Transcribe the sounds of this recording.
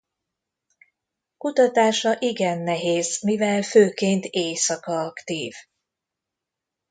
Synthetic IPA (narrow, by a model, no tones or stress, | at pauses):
kut̪ɒt̪aːʃɒʔiɡɛnːɛɦeːzmivɛlføːkeːnt̪eːsɒkɒɒkt̪iːv